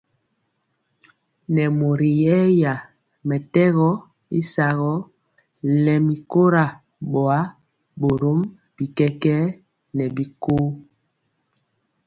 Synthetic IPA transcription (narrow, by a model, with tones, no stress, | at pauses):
nɛ˨mo˨ɾi˨jɛ˦ja˨ | mɛ˨tɛ˦ɣɔ˦ | i˦sa˨ɣɔ˦ | lɛ˨mi˨ko˦ɾa˨ | ɓɔ˨a˨˦ | bo˨ɾo˦m | b̥i˨kɛ˦kɛ˦ | nɛ˨bi˨ko˦